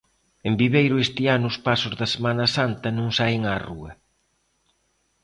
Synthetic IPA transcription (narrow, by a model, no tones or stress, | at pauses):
embiβejɾʊest̪ɪanʊːspasʊzðɐsemanɐsant̪ɐnõŋsajŋaruɐ